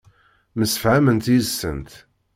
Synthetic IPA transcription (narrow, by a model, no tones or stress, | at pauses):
məsːə̥fʕamənt̪isːə̰nt̪